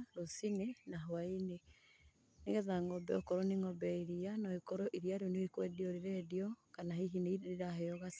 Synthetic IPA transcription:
ɾosinenaɦwaine | neɣɛðaŋɡɔbɛ̰ɔkɔɾɔniŋɔbɛiɾianɔikɔɾɔʔiɾiaɾjonoikwɛdiɔɾiɾɛdiɔkanahiɦineiiɾaɦeɔɣas

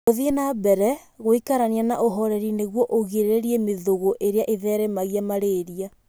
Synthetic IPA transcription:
oðienabɛɾɛ | ɣoikaɾanianaʔoɦɔɾɛɾineɣwɔʔoɣiɾeɾeɾiemeðoɣoʔeɾeaʔeðɛːɾemaɣijamaɾeːɾia

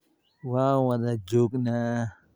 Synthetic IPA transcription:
wawad̪ad͡ʒokna

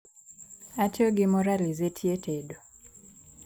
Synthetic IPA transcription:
atoɡɪmɔɾalizetʰjetʰedo

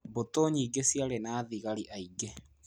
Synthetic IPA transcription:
botoɲiɡesiaɾenaːðiɣaɾiʔaiɡe

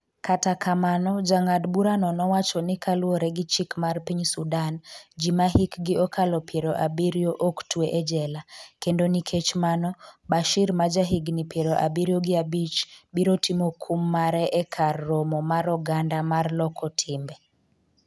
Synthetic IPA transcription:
katakʰamanɔd͡ʒaŋadbuɾanɔnɔwat͡ʃɔnɪkʰalwoɾɛɡɪt͡ʃikmarpiɲsudand͡ʒimaɦikɡɪɔkʰalɔpjeɾoʔabiɾijoʔoktweʔɛd͡ʒɛlakendonikʰet͡ʃmanɔbaʃiɾmad͡ʒaɦiɡnipjeɾoʔa̰biɾjoɡɪabit͡ʃbiɾotimokʰumːaɾɛʔɛkʰarːomɔmaɾɔɡandamarlɔkʰɔtʰɪmbɛ

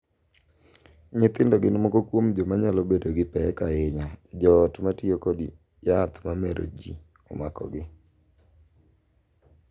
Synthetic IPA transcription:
ɲɪt̪ɪndɔɡɪnmɔkokwomd͡ʒomaɲalɔbedoɡɪpɛkaɪɲaɪd͡ʒɔtmatiokodi | jat̪mamɛɾʔo̰d͡ʒḭ | ɔ̰makɔ̰ɡɪ

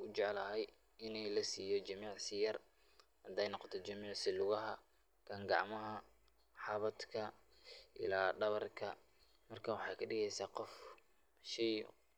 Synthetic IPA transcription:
ʊt͡ʃɛʕlɐɦɛj | ɪnɛjlɐsiːjɔt͡ʃɐmiːʕsɪjɐr | hɐd̪ɛjnɔqɔt̪ʰɔt͡ʃɐmiːʕsɪlʊɣɐɦɐ | kʰɐŋɡɑʕmɐɦɐ | ħɑβɐd̪kʰɐ | ʔɪ̰laːɖɐβɐrkʰɐ | mɐrkʰaːwɑħɑjkʰɐɖɪɣɛjsaːqɔf | ʃɛj

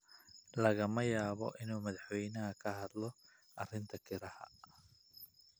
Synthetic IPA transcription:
lɐɣɐmɐjaːβɔ̰ʔɪnuːmɐðɑħwɛjnɐɦɐkʰɐɦɐd̪lɔ | ʔɐrɪnt̪ʰɐkʰɪɾɐhɐ̰

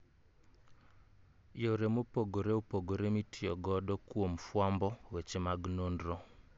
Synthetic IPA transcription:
joɾemopoɡoɾeopoɡoɾemitʰɪɔɡɔdɔkwomfwambɔwet͡ʃemaɡnondɾɔ

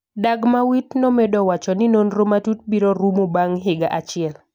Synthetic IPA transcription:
daɡmawitnɔmedɔwat͡ʃɔnɪnonɾomatut̚biɾoɾumobaŋɦɪɡaʔat͡ʃɪɛl

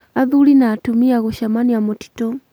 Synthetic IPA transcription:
aðulinaːtumiaɣuʃamaniamɔti̥tɔ

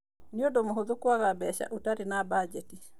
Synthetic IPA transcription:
niɔdɔmuɦuðukwaɣabɛʃa̰ʔutaɾinabad͡ʒɛti

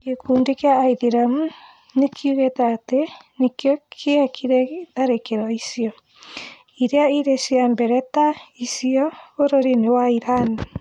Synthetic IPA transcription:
ɡekʰuːndekjaːiðiɾamu | nekʰjuɣetaːtenekjɔkʰeakʰiɾɛtaɾekeɾɔisiɔ | iɾeaiɾesiambɛɾɛtaisiɔβoɾoɾinewaiɾani

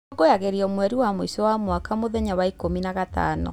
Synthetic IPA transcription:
ɣojaɣeɾiɔmwɛɾiwamoisewamwakamoðɛɲawaikominaɣata̰nɔ̰

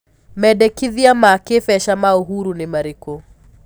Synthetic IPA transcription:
mɛdɛkiðiamakefɛʃamaoɦuɾunɪmaɾiko

